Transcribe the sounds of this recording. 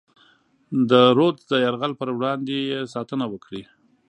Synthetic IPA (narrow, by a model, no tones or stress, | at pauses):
d̪əɾod̪d̪əjaɾɣalpəɾwɽɑnd̪ejesɑt̪ənawəkɽi